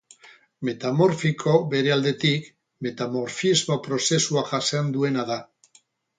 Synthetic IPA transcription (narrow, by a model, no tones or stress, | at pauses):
me̞t̪amo̞ɾfikʰo̞be̞ɾe̞ald̪e̞t̪ik | me̞t̪amo̞ɾfizmo̞pɾo̞se̞suaʝasend̪ue̞naða